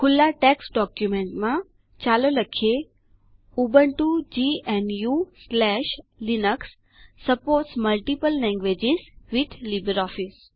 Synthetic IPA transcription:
kʰʊlːaʈɛksɖɔkjumẽɳʈmã | t͡ɕaloləkʰe | ubəɳʈud͡ʑiɛnjuslɛʃlinəksː | əpoːɾʈsməlʈipəllɛ̃ŋɡʋed͡ʑisʋit̪ʰlibəɾɔfis

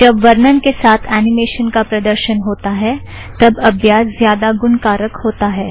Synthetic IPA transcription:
d͡ʒɐbʋɐɾnənkesaːt̪ʰɛːnɪmeːʃənkapɾɐd̪əɾʃənɦoːt̪aɦɛ | t̪ɐbɐbʱjaːszjaːd̪aɡʊnkaːɾəkhoːt̪aɦɛː

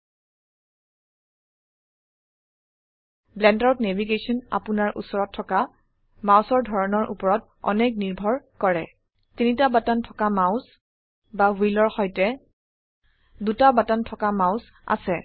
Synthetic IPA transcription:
blɛndawtnebiɡesɔna̰punaɹʔṵsɔɹɔtʰːɔka | mãwsɔɹdʱɔɹɔnɔɹʔṵpɔɹɔt | ɔ̰nek̚niɹbʱɔɹkɔɹɛ | tinitabatantʰɔkamaʊs | bawilɔɹxɔjtɛ | dutabatantʰɔkamaʊs | a̰sɛ

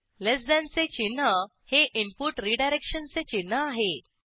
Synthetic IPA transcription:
lesd̪ãnt͡set͡ɕinːə | heʔimpuʈɾiɖajɾekʂənt͡set͡ɕinːəaɦe

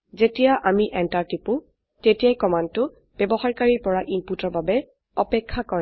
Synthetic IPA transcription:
zetijaʔamiʔɛntaɹtipʊ | tetijajkɔmantʊ | b̥ɛbɔxaɹkaɹiɹpɔɹaʔimputɔɹbabɛ | ɔpɛkʰːakɔɹ

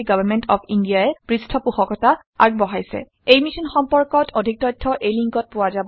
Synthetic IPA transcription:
ɡɔbaɹmɛntɔpʰindijaɛpɹistʰɔpuxɔkɔta | a̰ɹɡ̚bɔɦajsɛ̰ | ejmisɔnxɔmpɔɹkɔtʰodʱik̚tɔjtʰːɔʔejliŋkɔt̚pʊwazab

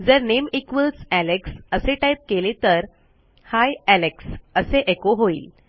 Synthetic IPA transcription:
d͡zəɾnemikʋəlsæleksəseʈajp̚kelet̪əɾ | hajæleksəseʔekoɦoḭːl

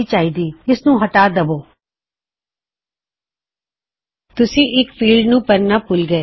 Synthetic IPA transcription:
it͡ʃaːɦiːd̪iːɪsnũɦɐʈaːd̪ɐboː | t̪ʊsĩʔɪkfiːlɖnũːpɐɾnapʊlɡɐeː

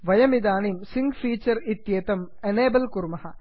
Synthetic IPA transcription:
ʋɐjɐmid̪aːniːmsiŋɡfiːt͡ʃɐɾit̪jeːt̪ɐm | eneːbɐlkuɾmɐhɐ

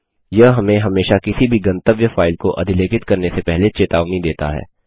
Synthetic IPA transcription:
jɐɦɦɐmẽɦɐmeːʃakɪsibʱiɡɐ̃nt̪əʋjəfaːɪlkoʔɐ̰d̪ʱɪleːkɪt̪kɐɾnesepɛɦlet͡ʃeːt̪aːʋnid̪eːt̪a̰ɦɛ̰ː

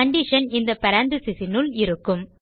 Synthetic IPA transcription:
ɐɳɖiʂɐnɪnd̪ɐpɐɾaːnd̪ɯsɪsɪnɯlɪɾɯkːɯm

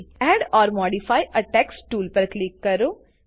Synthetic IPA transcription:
ɛːɖɔːɾmɔːɖifaːiʔɐʈɛːksʈuːlpɐɾklɪkːɐɾoː

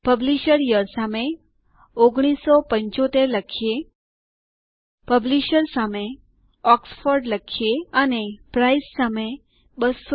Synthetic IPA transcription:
pəbliʃəɾjəɾsame | oɡɽ̃isːɔpəɲt͡ʃot̪eɾləkʰije | pəbliʃəɾsame | ɔksfoɾɖləkʰjeənepɾaisːame | bəs

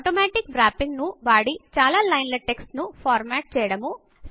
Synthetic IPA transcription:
ʈoːmaːʈikbɾaːpːiŋɡnuʋaːɽit͡ʃaːlaːlɐjnlɐʈeksʈnupʰaːɾmaːʈ̚t͡ʃɛːjɐɽɐmu

